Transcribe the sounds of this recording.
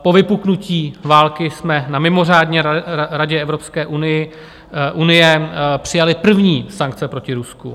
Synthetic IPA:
po̞vɪpuknuciːvaːlkɪsmɛnamɪmo̞raːdɲɛɾaɟɛɛvɾo̞pskɛːʔunɪjɪ | ʔunɪjɛpr̝̥ɪjalɪpr̩vɲiːsaŋk̚t͡sɛpɾo̞cɪɾuskṵ

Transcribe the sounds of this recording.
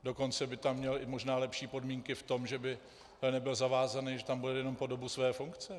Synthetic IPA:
do̞ko̞nt͡sɛbɪt̪amːɲɛlɪmo̞ʒnaːlɛpʃiːpo̞dmiːŋkɪft̪o̞mʒɛbɪ | ɛnɛbɪlzavaːzanɪʒɛt̪ambudɛjɛno̞mpo̞do̞busvɛːfuŋkt͡sɛ

